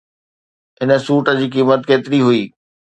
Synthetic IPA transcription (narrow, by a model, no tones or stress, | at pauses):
ɪnə̆suːʈə̆d͡ʑiːkiːmət̪keːt̪ɪɾiɦʊiː